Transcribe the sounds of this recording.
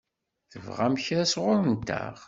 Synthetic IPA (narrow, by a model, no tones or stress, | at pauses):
θəvʁæmçɾæsʁʊɾənt̪ːæ̰ʁ